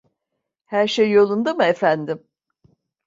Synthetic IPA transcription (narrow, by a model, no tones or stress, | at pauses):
hæɾʃejːo̞lˠund̪amɯefænd̪im